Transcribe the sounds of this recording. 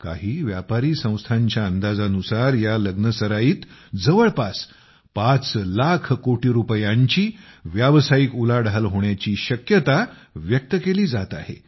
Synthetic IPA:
ka̰ɦiːʋjapaɾiːsə̃w̃st̪ʰaɲt͡ɕjaənd̪ad͡zanusaɾjaləɡnəsəɾajiːt̪d͡zəʋəɭpas | pat͡slakʰkoʈiːɾupəjãɲt͡ɕiːʋjaʋsajikulaɖʱalɦoɳjat͡ɕiːɕəkjət̪aʋjək̚t̪əkeliːd͡zat̪ahḛ

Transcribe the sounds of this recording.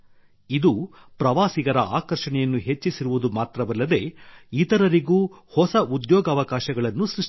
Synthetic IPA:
id̪u | pɾɐʋaːsiɡɐɾɐʔaːkɐɾʂɐɳɛjɐnːuɦet͡ʃːisiɾuʋud̪umaːt̪ɾɐʋɐlːɐd̪e̞it̪ɐɾɐɾiɡuː | hɔsɐud̪jɔːɡɐʋɐkaːʃɐɡɐɭɐnːusɾuʂ

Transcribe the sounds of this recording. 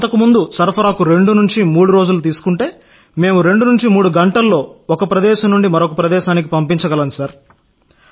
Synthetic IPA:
nt̪ɐkumund̪usɐɾpʰɐɾaːkuɾe̞ɳɖunuɲt͡ʃimuːɽuɾo̞ːd͡ʒulut̪̬iːsu̥kuɳʈe̞ː | me̞ːmuɾe̞ɳɖunuɲt͡ʃimuːɽuɡɐɳʈɐlːo̞ːɔkɐpɾɐd̪ɛːʃɐmnːuɳɖimɐɾokɐpɾɐd̪ɛːʃaːnik̬ipɐmpiɲt͡ʃɐɡɐlɐnsɐɾ

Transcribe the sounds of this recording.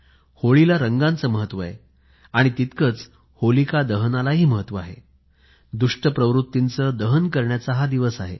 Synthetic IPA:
hoɭilaɾəŋɡãnt͡səːməɦət̪ːʋəaɦe | aɽ̃it̪it̪kəːt͡s | holikad̪əɦənalaɦiːməɦət̪ːʋəaɦḛ | d̪uʂʈəpɾəʋɾut̪ːint͡səːd̪əɦənkəɾɳjat͡səɦad̪iʋəsaɦḛ

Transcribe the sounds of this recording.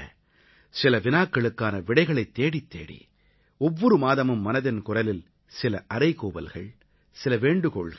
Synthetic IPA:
sɪlɐʋɪnaːkːɐɭɯkːaːnɐʋɪɽɐɪɣɐɭɐɪt̪ːeːɽit̪ːḛːɽḭ | ɔʋːɔɾɯmaːðɐmɯmːɐnɐðɪnkʊrɐlɪl | sɪlɐʔɐɾɐɪkuːbɐ̰lɣɐ̰ɭ | sɪlɐʋeːɳɖɯkɔːɭɣɐ

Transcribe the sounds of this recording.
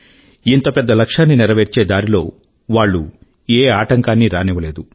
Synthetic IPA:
int̪opɛd̪ːɐlɐkʂaːnːinɛɾɐʋeːɾt͡ʃe̞ːd̪aːɾilo̞ː | ʋaːɭːu | eːaːʈɐŋkaːnːiɾaːnɛʋɐle̞ːd̪u

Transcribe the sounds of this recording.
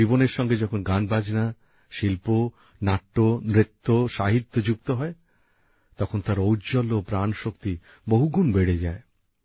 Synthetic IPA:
iboneɾʃɔŋɡed͡ʑɔkʰonɡanbad͡ʑna | ʃilpo | naʈːomɾet̪ʰːoʃaɦit̪ːod͡ʑuk̚t̪oɦɔe | t̪ɔkʰont̪aɾowd͡ʑɔlːopɾanʃokt̪i | boɦuɡunbeɽed͡ʑae

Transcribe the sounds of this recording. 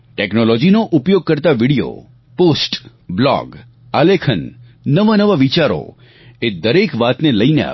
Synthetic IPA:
ʈeknolɔd͡ʒinoʔupjoɡ̚kəɾt̪aʋiɽijo̰ | posʈ | blɔ̰ɡ | alekʰənː | əʋanəʋaʋit͡ʃaɾo̰ | ed̪əɾekʋat̪neləinea̰

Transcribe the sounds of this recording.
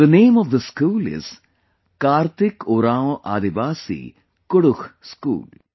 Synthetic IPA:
d̪əneːmɔʋd̪əskuːlɪ̰z̥ | kaːɾt̪ikuɾaːoʔa̰ːd̪iʋaːsḭ | kʊɽuhskṵːl

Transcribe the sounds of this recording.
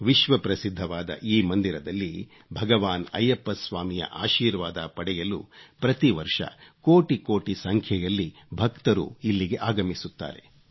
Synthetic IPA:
ʋiʃʋɐpɾɐsid̪ʱːɐʋaːd̪ɐ̰ʔiːmɐnd̪iɾɐd̪ɐlːi | bʱɐɡɐʋaːnɐ̰jɐpːɐsʋaːmijɐ̰ʔa̰ːʃiːɾʋaːd̪ɐpɐɽɛjɐlṵpɾɐt̪iʋɐɾʂɐ̰koːʈikoːʈisɐŋkʰjɛjɐlːi | bʱɐkt̪ɐɾṵilːiɡeʔaːɡɐmisut̪ːa̰ːɾe̞̰

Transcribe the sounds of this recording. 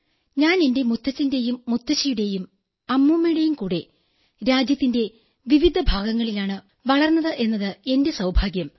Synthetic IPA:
ɲaːne̞nde̞mut̪ʰːɐt͡ɕːinde̞jumːut̪ːɐt͡ɕːɐjuɽe̞jum | ɐmːumːɐjuɽe̞jumkuːɽe̞ | ɾaːd͡ʑjɐt̪ːinde̞ | ʋiʋid̪ʱɐbʱaːɡɐŋːɐɭilaːɳɨ | ʋɐɭɐrnːɐðɨʔe̞nːɐðɨe̞nde̞sɐwbʱaːɡjɐm

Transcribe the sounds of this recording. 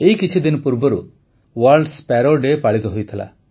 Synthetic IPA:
eɦikit͡ʃʰid̪inɔpuɾbɔɾu | waɾlɖspɛɾoɖepaɭit̪ɔɦojt̪ʰila̰

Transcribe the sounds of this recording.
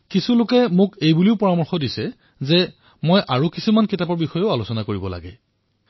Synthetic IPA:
kisulʊkɛmʊkejbuliʊpɔɹamɔɹxɔdisɛ | zɛ | mojʔaɹukisumankitapɔɹbixɔjɔʊalosɔnakoɹibɔla̰ɡɛ

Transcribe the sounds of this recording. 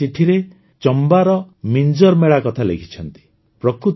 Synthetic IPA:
iʈʰiɾe | t͡ʃɔmbaɾɔmind͡ʒɔɾmeɭakɔt̪ʰalekʰi̥t͡ʃʰɔnt̪i̥ | pɾɔkɾut̪

